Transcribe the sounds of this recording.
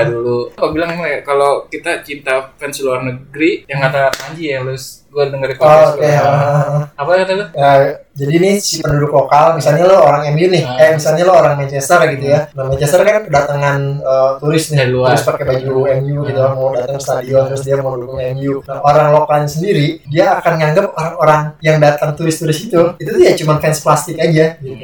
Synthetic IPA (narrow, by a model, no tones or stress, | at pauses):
dulupak̚bilaŋimajakalokit̪at͡ʃint̪afɛnsiluarnəɡɾijaŋkat̪amaɲd͡ʒijahalʊsɡuanəŋaikːokeaʔʔapakat̪at̪uad͡ʒadinɪhsipəndudʊklokalmisalɲalaoɾaŋɛmjunɪhamisalɲalaoɾaŋmɛnt͡ʃɛst̪ərɡit̪ujanamɛnt͡ʃɛst̪ərkankədat̪aŋanəːt̪uɾɪsnɪɾʊspakɛbad͡ʒuɛmjuɡit̪ulamawdat̪aŋst̪adiot̪əɾʊsdiamawdukʊŋɛmjunahoɾaŋlokalɲasəndiɾidiaːkanŋaŋɡəp̚oɾaŋoɾaŋjaŋdat̪aŋt̪uɾɪst̪uɾɪsit̪uit̪ut̪ujaʔt͡ʃumanfɛnsplast̪ɪkad͡ʒaɡ